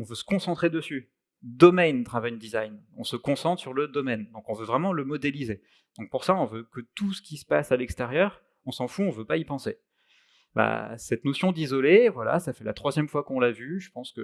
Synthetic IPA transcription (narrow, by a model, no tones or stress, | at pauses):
ɔ̃vøsə̥kɔ̃sɑ̃t̪χed̪əsy | d̪ɔmɛjnd̪ʁavajnd̪izajnɔ̰̃səkɔ̃sɑ̃t̪χsyʁləd̪ɔmɛnd̪ɔ̃kɔ̃vøvʁɛmɑ̃ləmɔd̪elize | d̪̥ɔ̃k̚puʁsaɔ̃vøkət̪usə̥kʲisə̥pasalɛkst̪ɛʁjœːʁ | ɔ̃sɑ̃fuɔ̃vøpaipɑ̃se | ba̰sɛt̪nɔsjɔ̃d̪izɔlevwala̰safɛla̰t̪χwazjɛmfwakɔ̃lavyʒəpɑ̃skə